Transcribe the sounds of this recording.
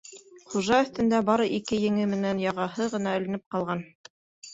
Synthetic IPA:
χuʒɑɵ̆θt̪ɘ̆nd̪æbɑɾɤʔikɘjɘ̆ŋɘmɘ̆nænjɑʁɑhɤʁɤ̆nɑɵ̆lɘ̆nɘp̚qɑlˠʁɑn

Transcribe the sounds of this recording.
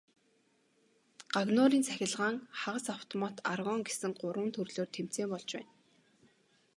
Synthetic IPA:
ɢ̥aɣnʊːɾiːnt͡sʰæxʲɪ̆ɮʁaːŋχaʁə̆saw̥t̪ʰɔmaːt̪arʁɔːŋɡesɘ̆ŋɢʊɾwə̆nt̪ʰɵrɮoːrt̪ʰem̥t͡seːmpɔɮt͡ɕpæ̰ːn

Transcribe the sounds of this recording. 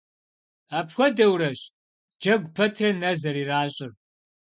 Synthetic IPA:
aːpʰxʷɔdɐwɾɐɕ | d͡ʒɐɡʷpʰɐtʰrɐnɐzɐɾiːraːɕʼɪr

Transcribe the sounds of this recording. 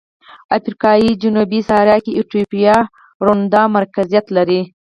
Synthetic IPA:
afɾikɑjid͡ʒʊnubisɑɾjɑkeiʈopijɑ | ɾʊnd̪ɑmaɾkazijat̪laɾi

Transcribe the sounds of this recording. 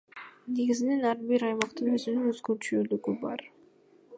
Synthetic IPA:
ne̞ɡizɪne̞nɑɾbiɾɑjmɑqt̪ɯnøzynyŋøzɡøt͡ʃyyd̪yɡybɑ̰ɾ

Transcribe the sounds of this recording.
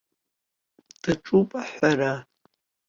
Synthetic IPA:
d̥aʈ͡ʂʼupʼaħʷaɾa

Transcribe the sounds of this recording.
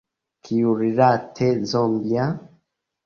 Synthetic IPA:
kʰijuɾiɾatʰezɔmbja

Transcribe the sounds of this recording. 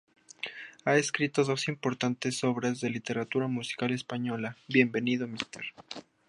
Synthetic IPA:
ae̞skɾit̪o̞ðo̞simpo̞ɾt̪ant̪e̞so̞βɾazðe̞lit̪e̞ɾat̪uɾamusi̥kale̞spaɲo̞laβje̞mbe̞niðo̞mist̪ḛɾ

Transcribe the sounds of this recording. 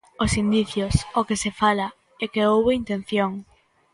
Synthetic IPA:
osind̪iθjosokesefala | ɛkeowβeint̪ẽn̟θjoŋ

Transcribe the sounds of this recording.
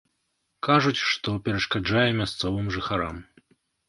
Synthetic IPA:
kaʐut͡sʲʂt̪ɔpʲɛɾɐʂkad͡ʐajɛmʲast̪sɔvɨmʐɨxaɾa̰m

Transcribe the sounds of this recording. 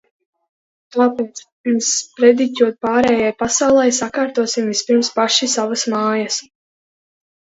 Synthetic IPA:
k̪aːpɛːt̪s | spɾɛd̪it̪ʲuɔt̪̚paːɾɛːjajpasawlˠɛjsakaːɾt̪uɔsimvispiɾmspaʃisavasmaːjas

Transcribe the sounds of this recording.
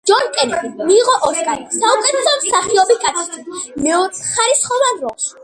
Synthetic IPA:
d͡ʒɔɾkʼɛnɛbimiːʁɔʔɔskansaukʼɛt̪ʰɛsɔmsaχiɔbikʼat̪ʰi̥t̪ʰimɛɔɾχaɾisχɔvanɾɔlˠʃ

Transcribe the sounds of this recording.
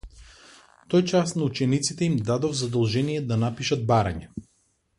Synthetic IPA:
t̪ojt͡ʃasnaut͡ʃɛnit̪sit̪ɛimd̪ad̪ɔvzad̪ɔlˠʒɛnijɛd̪anapiʃad̪̚baɾa̰ɲɛ

